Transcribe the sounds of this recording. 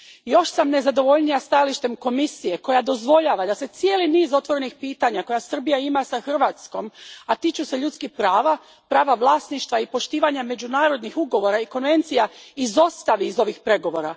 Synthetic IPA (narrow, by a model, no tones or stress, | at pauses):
jo̞ʃsamne̞zad̪o̞ʋo̞ʎnijast̪ajaliʃt̪e̞mko̞misije̞ko̞jad̪o̞zʋo̞ʎaːʋad̪ase̞t̪sijeːliniːzo̞t̪ʋo̞ɾe̞nixpiːt̪aɲako̞jasr̩bijaimasaxr̩ʋat̪sko̞mat̪it͡ʃuseʎut̪skixpɾaːʋa | pɾaːʋaʋlˠaːsniʃt̪ʋaipo̞ʃt̪iːʋaɲame̞d͡ʑunaːɾo̞d̪nixuɡo̞ʋo̞ɾaiko̞nʋe̞nt̪sijaizo̞st̪aʋiːzo̞ʋixpɾe̞ɡo̞ʋo̞ːɾa